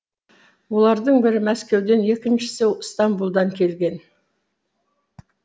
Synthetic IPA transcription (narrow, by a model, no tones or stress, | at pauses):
wo̞lˠɑɾd̪əɴbɪɾɪmæskʲe̞wd̪e̞nje̞kʲɪnʃɪ̥sewst̪ɑmbulˠd̪ɑŋkʲʰe̞lɡʲe̞n